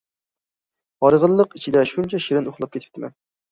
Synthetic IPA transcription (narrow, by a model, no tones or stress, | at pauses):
ɑɾəʁəlˠːəqɪt͡ʃʰɪd̪ɛʃunt͡ʃʰɛʃɪɾɪnoχlˠɑpkʲʰet̪ʰɪ̥pt̪ʰɪmʔɛ̰n